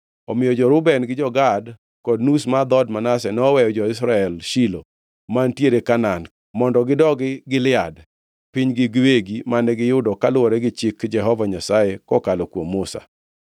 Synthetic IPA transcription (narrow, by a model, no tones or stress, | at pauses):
ɔmɪjɔd͡ʒɔɾʊbɛnɡɪd͡ʒɔɡad | kɔdnusmad̪ɔdmanasɛnɔːwɛjɔd͡ʒɔɪs̬ɾaɛlʃilo | mantjeɾekanan | mɔndɔɡɪdɔɡɪɡɪlɪad | piɲɡɪɡweɡimanɛɡɪjʊdɔkalʊɔɾɛɡɪt͡ʃɪkd͡ʒɛɦɔvaɲasajekɔkalɔkwomːʊsa̰